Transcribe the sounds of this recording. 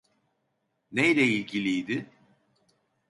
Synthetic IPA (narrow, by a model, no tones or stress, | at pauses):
nejlʲɛilʲɟilʲijd̪ɪ